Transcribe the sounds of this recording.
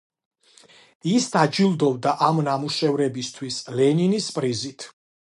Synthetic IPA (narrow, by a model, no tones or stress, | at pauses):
isd̪ad͡ʒilˠd̪ɔvd̪aʔamnamuʃɛvɾɛbist̪ʰwislɛninispʼɾizit̪ʰ